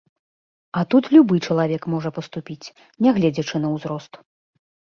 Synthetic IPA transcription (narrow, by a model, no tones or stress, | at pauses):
ɐt̪ut̪lʲubɨt͡ʂɐlˠavʲɛkmɔʐɐpɐst̪upʲit͡sʲ | nʲɛɣlʲɛd͡zʲɐt͡ʂɨnɐwzɾɔst̪